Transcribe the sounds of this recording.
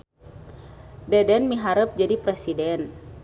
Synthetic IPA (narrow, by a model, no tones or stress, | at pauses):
dɛdɛnmiɦaɾəp̚d͡ʒadipɾɛsidɛn